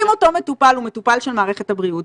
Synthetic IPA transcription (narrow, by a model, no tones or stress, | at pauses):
imoto̞me̞tupalume̞tupalʃelmaːʁeχe̞thabʁiut